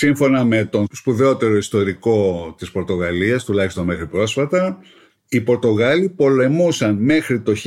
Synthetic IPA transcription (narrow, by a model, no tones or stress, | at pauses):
siɱfo̞nɐme̞t̪o̞nspuðe̞o̞t̪e̞ɾo̞ist̪o̞ɾiko̞t̪ispo̞ɾt̪o̞ɣɐliɐst̪ulɐçist̪o̞nme̞xɾipɾo̞sfɐt̪ɐ | ipo̞ɾt̪o̞ɣɐlipo̞le̞musɐnme̞xɾit̪o̞ç